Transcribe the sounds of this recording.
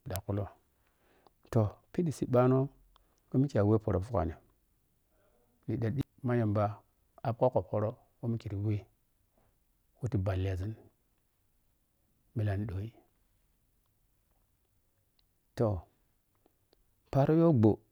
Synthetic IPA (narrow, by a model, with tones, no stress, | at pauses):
da˨ku˦lo˦ | to˨pi˦di˨si˨ɓa˦no˦ | kə˦mi˦ki˨a˨we˦po˨ɾo˨fu˦ka̰˨ni˨ | li˨da˨di˦ma˦ja˨mba˦ | a˨pko˦ko˨pho˦ɾo˦ | wu˦mi˦ki˨ɾi˨we˦ | wu˦ti˨ba˨lːi˨a˨zi˦n | mi˨la˨n˦ɗo˨i˦ | to˨ | pa˦ɾo˦jo˦ɡ͡bo˨